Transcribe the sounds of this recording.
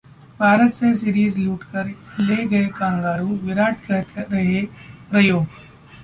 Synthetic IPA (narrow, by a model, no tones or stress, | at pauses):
bʱaːɾət̪ses̬iːɾiːzluːʈkɐɾleːɡɐekãːŋɡaːɾuʋɪɾaːʈkɐt̪ɾɐɦeɾɐjoː